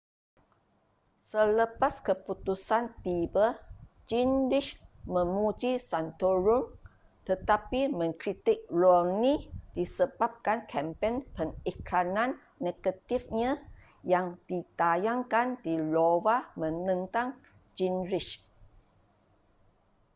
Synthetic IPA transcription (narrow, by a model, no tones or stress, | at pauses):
sələpaskəput̪usant̪ibə | d͡ʒinɾiʃmə̃mud͡ʒisant̪oɾum | t̪ət̪apimə̃ŋkɾit̪ɪk̚laŋnĩd̥isəbap̚kankʰɛmpenpənikɾanãnː | eɡ̥ət̪ifɲã | jaŋd̥it̪ajaŋkandilowamə̃nə̃nt̪aŋ | d͡ʒinɾiʃ